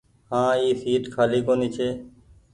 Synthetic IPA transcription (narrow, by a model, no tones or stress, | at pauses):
hãːiːsiːʈkʰaːliːkoːniːt͡ʃʰeː